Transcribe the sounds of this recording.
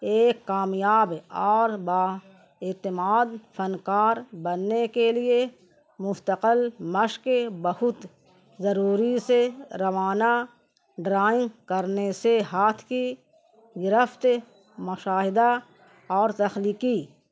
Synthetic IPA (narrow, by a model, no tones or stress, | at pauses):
eːkːaːmjaːbɔːɾbaː | et̪ɪmaːd̪fʰənkaːɾbənːekelie | mʊst̪əqəlmɐʃkbɐhʊt̪ | zɐɾuːɾiseɾɐʋaːna | ɖɾaːɪ̃ŋɡkəɾneseɦaːt̪ʰki | ɡɪɾəft̪ | mʊʃaːɦɪd̪a | ɔːɾt̪ɐxliːki